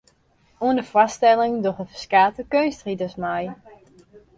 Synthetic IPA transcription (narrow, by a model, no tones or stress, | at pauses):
uəndəfwastɛlɪŋdoχəfəskaːtəkøɥnstridəsmaj